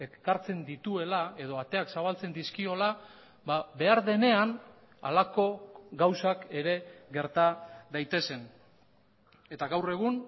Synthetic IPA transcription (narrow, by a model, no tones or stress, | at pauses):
e̞kaɾt͡se̞nd̪it̪ue̞lae̞ð̞o̞at̪e̞aksaβ̞alt͡se̞nd̪iskio̞la | babe̞aɾðe̞ne̞an | a̰lako̞ɡawsake̞ɾe̞ɡe̞ɾt̪aðajt̪e̞se̞n | e̞t̪aɣawre̞ɣ̞un